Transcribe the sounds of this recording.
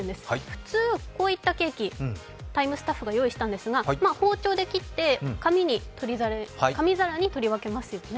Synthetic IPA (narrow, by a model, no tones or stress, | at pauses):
ɯnd̪e̞sɨ̥ɸɯ̟̥t͡sɨːko̞ːit̪ːake̞ːkʲi | t̪aimɯ̟sɨ̥t̪aɸːɯɡajo̞ːiɕi̥t̪ãnd̪e̞sɨɡamaːho̞ːt͡ɕo̞ːd̪e̞kʲit̪ːe̞kamʲiɲ̟it̪o̞ɾʲizaɾekamʲizaɾaɲ̟it̪o̞ɾʲiβake̞masɨjo̞ne